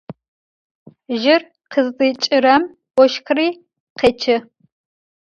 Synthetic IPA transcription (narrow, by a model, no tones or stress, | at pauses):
ʒɪr | qəzdʼɨt͡ʃʼɪɾɐm | wʷɔʃkʰriː | qeːt͡ʃʰɪ